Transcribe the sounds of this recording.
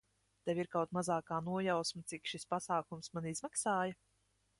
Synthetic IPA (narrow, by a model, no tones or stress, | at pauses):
t̪ɛwiɾkawt̪mazaːkaːnuɔjawsmat̪sikʃispasaːkumsmanizmaksaːjɐ